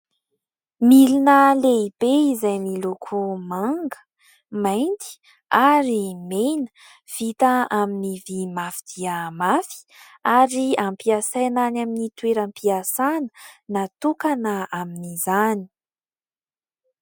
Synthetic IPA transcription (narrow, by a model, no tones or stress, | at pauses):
milinəleib̥eizajmilukʰumaŋɡə̥ | majnt̪i̥ | aɾimenə̥ | v̥it̪əaminivimafid̪̥iəmafi̥ | aɾiampiasananaminit̪weɾampiasanə̥nat̪ukanəaminizani̥